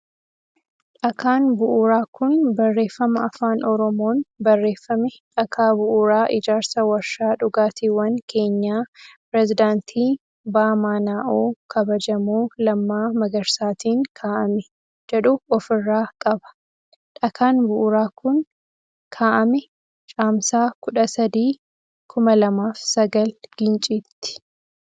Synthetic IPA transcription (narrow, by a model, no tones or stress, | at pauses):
ᶑɐkʰaːnbʊʔʊɾaːkʊnbɐrːe̞ːfːɐmɐɐfaːnɔɾɔmo̞ːnbɐrːe̞ːfːɐmɛᶑɐkʰaːbʊʔʊɾaːʔɪd͡ʒaːɾsɐwɐɾʃaːᶑʊɡaːt̪iːwɐŋkʰe̞ːɲːaːpɪɾɛzɪd̪aːnt̪ʰiː | baːmaːnaːʔoːkʰɐbɐd͡ʒɐmuːlɐmːaːmɐɡɐɾsaːt̪iːŋkʰaːʔɐmɛ | d͡ʒɛᶑʊɔfɪrːaːkʼɐbɐ̥ | ᶑɐkʰaːnbʊʔʊɾaːkʊn | kʰaːʔɐmɛ | t͡ʃʼaːmsaːkʊᶑɐsɐd̪iː | kʰʊmɐlɐmaːfsɐɡɐlɡ̥ɪnt͡ʃʼiːt̪ːɪ̥